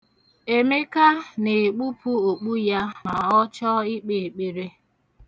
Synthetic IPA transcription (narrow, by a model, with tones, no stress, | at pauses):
e˨me˦ka˦ne˨k͡pu˦pu˦o˨k͡pu˦ja˦ma˨ɔ˦t͡ʃɔ˦i˦k͡pe˨k͡pe˨ɾe˦